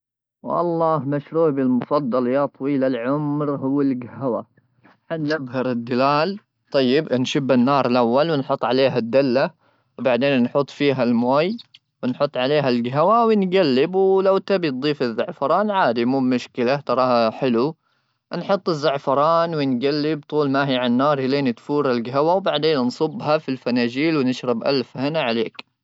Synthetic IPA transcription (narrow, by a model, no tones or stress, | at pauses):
wʔɑ̰lˤːɑːhmaʃɾuːʕbɪlmʊfɑd̪ˤːɑljaːt̪ˤwiːlalʕʊmɾɦʊwːɪlɡahawa̰ | ħanːɪbhɑɾɪd̪ːɪlaːl | t̪ˤɑjːɪbnʃʊbːɪnːɑːɾˤɪlʔawːalwɪnħʊt̪ˤːʕaleːɦad̪ːalːa | wbaʕd̪eːnːħuːt̪ˤfiːɦalmoːj | wɪnħʊt̪ˤːʕaleːɦalɡaɦawawɪnɡalːɪbwlawt̪abit̪̚d̪ˤiːfɪzːaʕfɑɾˤɑːnʕaːd̪imuːbmʊʃkɪlat̪ɑɾˤɑːhħɪlu | nħʊt̪ˤːɪzːaʕfɑɾˤɑːnwɪnɡalːɪb̚t̪ˤuːlmaɦiʕanːɑːɾˤjɪleːnɪt̪fuːɾɪlɡaɦawawbaʕd̪eːnnsˤʊbːhafilfanaːd͡ʒiːlwɪnɪʃɾɪbʔa̰lfhɪnaʕaleːk